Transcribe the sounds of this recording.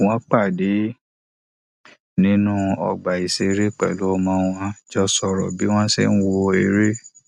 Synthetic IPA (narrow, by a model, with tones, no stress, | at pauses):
w̃ɔ̃˦k͡pa˦˨de˨˦ | nĩ˦nũ˦ɔ̰˧ɡ͡ba˨i˨se˧˦ɾe˦k͡pɛ̰˨lo˦˧mã˧˦w̃ɔ̃˧d͡ʒɔ˦sɔ˧ɾɔ̰˨bi˨˦w̃ɔ̃˦sḛ˦ñ̩˦wo˧e˧ɾe˦